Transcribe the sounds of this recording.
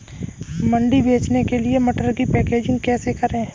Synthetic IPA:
mə̃ɳɖibʱeːt͡ʃnekeliemɐʈəɾkipɛːkeːd͡ʒɪ̃ŋɡkɛːsekɐɾẽː

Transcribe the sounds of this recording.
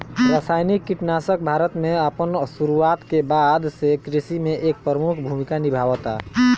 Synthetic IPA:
ɾasajnikːiʈnasək̚bʱaɾət̪meəpənsuɾuat̪kebad̪sekɾisimeʔek̚pɾɾəmukʰbʱumikanibʱawət̪a̰

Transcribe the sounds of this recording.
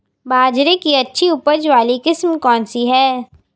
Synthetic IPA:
bʱaːd͡ʒɾẽkiɐtːʃʰiʊpəd͡ʒʋaːlikɪsmkɔːnsiɦɛː

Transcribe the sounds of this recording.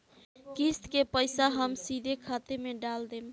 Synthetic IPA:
kist̪kepəjsaɦəmsid̪ʱekʰat̪emeɖald̪em

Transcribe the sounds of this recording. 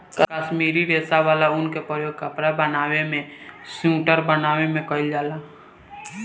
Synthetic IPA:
kkaʃmiːɾiʋeːsaʋaːlaʊnkepɾəjoːɡ̚kapɾabənaːwemẽsũːʈəɾbənaːwemẽkəɪld͡ʒaːla

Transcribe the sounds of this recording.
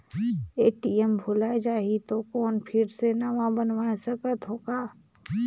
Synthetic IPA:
eːʈiɛmbʱʊlaed͡ʒaːɦit̪okɔːnpʰɪɾsenaʋãbənʋaːesəkət̪ɦoːɡaː

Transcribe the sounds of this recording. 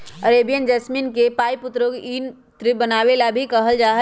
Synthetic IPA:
əɾeːbijənd͡ʒəsminkepaːipʊt̪ɾoɡiːn | t̪ɾɪbənaːʋelabʱikɐɦəld͡ʒaːɦə

